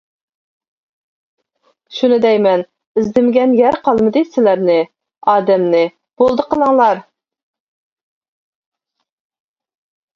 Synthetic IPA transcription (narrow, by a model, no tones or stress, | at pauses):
ʃunɨd̪ɛjmɛn | ɪzd̪ɪmɪɡʲɛnjæɾqʰɑlˠmɨd̪ɨsɪlæɾnɪ | ɑːd̪ɛmnɪ | b̥olˠd̪əqəlˠɑŋlˠɑɾ